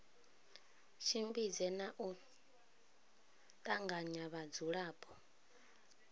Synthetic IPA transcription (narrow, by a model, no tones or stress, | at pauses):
ʃimbid͡zɛnaʔu | tʼaŋɡaɲaβad͡zuɺaːpʰʼɔ̥